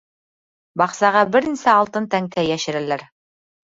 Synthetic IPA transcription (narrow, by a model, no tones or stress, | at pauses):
bɑqsɑʁɑbɘ̆ɾɘ̆nsɘɑlˠt̪ɤnt̪æŋk̪æjæʃɘ̆ɾælæɾ